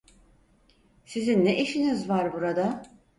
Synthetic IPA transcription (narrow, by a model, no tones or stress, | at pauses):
sizinːeʔiʃinizvaɾbuɾad̪a